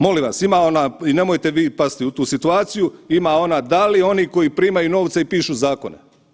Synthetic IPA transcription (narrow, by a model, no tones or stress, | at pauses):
mo̞liʋasimao̞naːine̞mojt̪e̞ʋiːpast̪iut̪uːsit̪uaːt̪sijuimao̞naːd̪alio̞niko̞jiːpɾiːmajuno̞ːʋt̪saipiːʃuzaːko̰nḛ